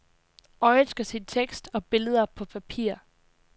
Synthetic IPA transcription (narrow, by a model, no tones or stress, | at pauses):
ɒɪsɡ̥ɐsint͡sʰeɡ̥sd̥ɒ̽b̥e̝ləð̞ˠɐpʰɒ̽pʰæpʰḭɐ̰